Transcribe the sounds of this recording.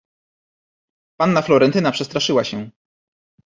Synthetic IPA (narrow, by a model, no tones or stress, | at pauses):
panːaflɔɾɛnt̪ɘnapʂɛst̪ɾaʂɘwaɕɛ